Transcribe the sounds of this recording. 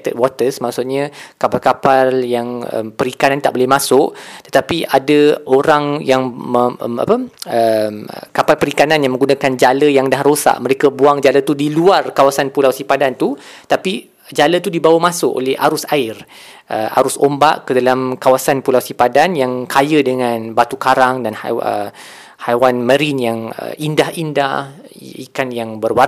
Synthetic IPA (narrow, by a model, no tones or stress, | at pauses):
t̪ət̚wɔt̪əsmaʔsʊʔɲãkapalkapaljaŋə̰mpəɾikanant̪a̰ʔbolɛmãsʊʔt̪ət̪apiʔadaoɾaŋjaŋməə̰ma̰pəəmkapalpəɾikananjaŋmə̃ŋɡunakand͡ʒaləjaŋdahrosa̰ʔmə̃ɾekabuaŋd͡ʒalət̪udiluarkawasanpulawsipadant̪ut̪api | d͡ʒalət̪udibawamãsʊʔo̰lɛha̰ɾʊsaɪr | ʔə̰ʔa̰ɾʊsomba̰ʔkədalamkawasanpulawsipadanjaŋkajədəŋanbat̪ukaɾaŋdanə̰ | hajwanmə̃ɾinjaŋə̰indahinda | ikanjaŋbərwar